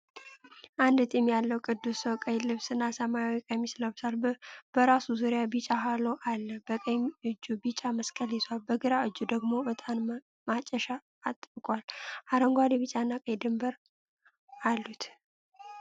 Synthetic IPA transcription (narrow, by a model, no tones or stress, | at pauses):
ʔand̪ɨt̪ʼimjalːəwkʼɨd̪ːusowkʼəjlɨβsɨnːasəmajawikʼəmisləβsalb̥əɾasuzuɾjabit͡ʃʼaɦaloʔalːəhbəkʼəmɨd͡ʒːubit͡ʃʼaməskʼəlit̪ʰʷalbəɡɨɾaɨd͡ʒːud̪əɡmo̞bət̪ʼan | mat͡ʃʼːəʃaː | t̪ʼbɨkʼwalʔaɾəŋɡʷad̪ɛβit͡ʃʼanːakʼəjd̪ɨmbəɾ | alːut̪ʰ